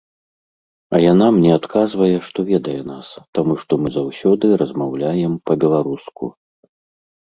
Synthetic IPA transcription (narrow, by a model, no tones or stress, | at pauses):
ɐjanamnʲɛat̪kazvɐjɛʂt̪ɔvʲɛd̪ɐjɛnast̪amuʂt̪ɔmɨzawsʲɔd̪ɨɾɐzmawlʲajɛmpɐbʲɛlˠaɾuskṵ